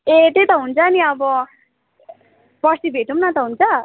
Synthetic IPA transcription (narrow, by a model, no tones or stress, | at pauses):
et̪et̪ʌɦunt͡sʰʌːniʌbʌ | pʌsibʱeʈumnʌt̪ʌɦunt͡sʰʌ